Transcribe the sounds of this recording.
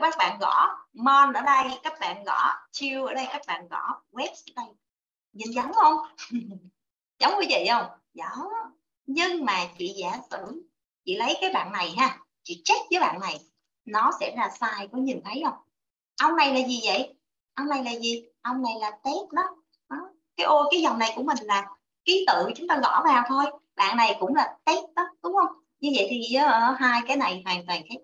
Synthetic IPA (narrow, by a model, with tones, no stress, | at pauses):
kaː˦˥k̚ɓa̰ː˧˨nɣɔ˧˩˥mɔ˧nʔəː˧˩ɗə˧jkaː˦˥k̚ɓa̰ː˧˨nɣɔ̰˧˩t͡ɕi˧əwʔəː˧˩˦ɗə˧jkaː˦˥k̚ɓa̰ː˧˨nɣɔ̰˧˩wɛ˦˥p̚sɗə˧j | ɲi˨˩˨nzə˨˦wŋ͡mhə˧wŋ͡m | zɔ˨˦wŋ͡mkɨ˨˦vḭ˧˨jʔə˧wŋ͡m | zɔ˨˦ | ɲɨ˧ŋmaː˨˩t͡ɕḭ˧˨zaː˧˩sɨ̰˧˩˨ | t͡ɕḭ˧˨lə˨˦jkaː˨˦jɓa̰ː˧˨nːa˨˩jɦaː˧˩ | t͡ɕḭ˧˨t͡ɕə˦˥t̚vəː˨˦jɓa̰ː˧˨nːa˨˩j | nɔ˨˦sɛ̰˧˥zaː˧˩saː˧jkɔ˨˧˦ɲi˨˩t̪ʰə˨˦jʔə˧wŋ͡m | ʔə˧wŋ͡mna˨˩jlaː˨˩zi˨˩və̰˧˨j | ʔə˧wŋ͡mna˨˩jlaː˨˩zi˨˩ | ʔə˧wŋ͡mna˨˩jlaː˨˩t̪ɛ˦˥t̚ɗɔ˨˦ | ʔɔ˨˦ | kaː˨˦jʔo˧kaː˨˦jzɔ˨˩wŋ͡mna˨˩jkṵ˧˩əmï˨˩ŋ̟laː˨˩ | ki˨˦t̪ɨ̰˧˨˧t͡ɕʊ˨˦ŋ͡mt̪aː˧ɣɔ̰˧˩vaː˨˩wt̪ʰo˧j | ɓa̰ː˧˨nna˨˩jkʊ̰˧˥ŋ͡mlaː˨˩t̪ɛ˦˥t̚ɗɔ˨˦ɗʊ˨˦wŋ͡mhə˧wŋ͡m | ɲɨ˧və̰˧˨jt̪ʰi˨˩ʔːʔəː˨˧˩ɦaː˧jkaː˨˦jna˨˩jfaː˨˩ŋt̪waː˨˩ŋkaː˨˦j